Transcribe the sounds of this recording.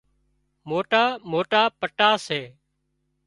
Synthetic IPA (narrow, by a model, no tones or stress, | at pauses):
moːʈaːmoːʈaːpəʈaːseː